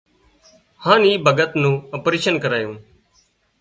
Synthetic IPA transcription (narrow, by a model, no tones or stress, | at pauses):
hãːniːbʱəɡət̪nũːopɾiːʃənkəɾaːjũː